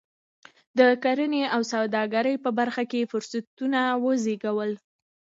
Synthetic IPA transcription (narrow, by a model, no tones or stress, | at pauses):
d̪əkaɾəneawsawd̪ɑɡaɾəjpəbaɾxakefʊɾsat̪unawəzeɡawəl